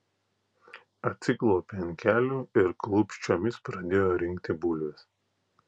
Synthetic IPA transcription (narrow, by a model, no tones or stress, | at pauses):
ɐt̪ʲsʲɪklˠɔːpʲenʲkʲæːlʲuːɪɾklˠʊpʲʃʲt͡ʃʲoːmʲɪspɾɐd̪ʲeːjoːɾʲɪŋʲkt̪ʲɪbʊlʲʋʲɪs